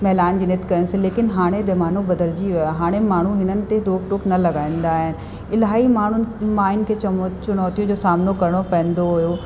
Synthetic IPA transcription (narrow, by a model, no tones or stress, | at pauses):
mɛɦlaːɪnd͡ʑiːnɪt̪kɐɾənɪsẽleːkɪnɦaːɽ̃ed̪emaːnobɐd̪əld͡ʑiʋɪaɦaːɽ̃emaːɳ̤uɦɪnənɪ̆t̪eɾoːkʈoːknɐlɐɡaːĩːnd̪aːɦɪn̆ | ɪlaːimaːɳ̤ʊnmaːɪnkʰeːt͡ɕʊɽ̃ɔːt̪ijũd͡ʑoːsaːmnokɐɾɪɽ̃opɐ̃ɦə̃n̆d̪oɦʊjo